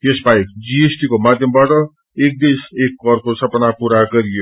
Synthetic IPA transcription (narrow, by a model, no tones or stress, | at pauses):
jesbajd͡ziesʈikomad̪ʱjʌmbaʈʌ | ek̚d̪esekːʌrkosʌpʌnapuɾaɡʌɾijo